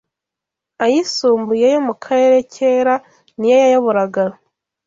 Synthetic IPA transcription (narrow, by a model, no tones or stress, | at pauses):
ajisuːmbujejo̞mukʰaɾe̞ːɾe̞cʰe̞ɾa | nijojajaβuɾaɡaɾo